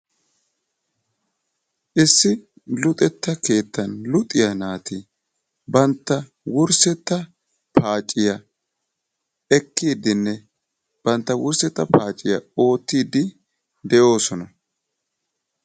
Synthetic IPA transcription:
ʔɪsːɪ | lʊt̪ʼɛt̪ːɐke̞ːt̪ːɐnlʊt̪ʼɪjɐnaːt̪ɪ | bɐnt̪ːɐ | wʊɾsɛt̪ːɐ | paːt͡ʃʼːɪjɐ | ɛkːiːd̪ɪnːɛ | b̥ɐnt̪ːɐwʊɾsɛt̪ːɐpaːt͡ʃʼːɪjɐ̰o̞ːt̪ːiːd̪ɪ | d̪ɛjo̞ːsɔnɐ

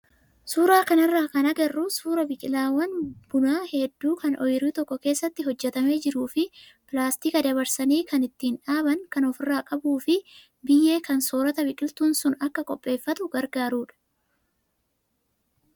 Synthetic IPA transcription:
suːɾaːkɐnɪrːaːkɐnɐɡɐrːʊsuːɾɐbɪkʼɪlaːwɐnb̥ʊnaːhɛd̪ːuːkɐnʔɔ̰jɪɾiːt̪ɔkːɔke̞ːsːɐt̪ːɪɦɔd͡ʒːɛt̪ɐme̞ːd͡ʒɪɾuːfɪpɪlaːst̪ɪkɐd̪ɐβɐɾsɐniːkɐnɪt̪ːiːnᶑaːbɐŋkɐnɔfɪrːaːkʼɐbuːfɪ | bɪjːe̞ːkɐnsoːɾɐt̪ɐbɪkʼɪlt̪uːnsʊnɐkːɐkʼɔpʼːe̞ːfːɐt̪ʊɡɐɾɡaːɾuːᶑɐ̥

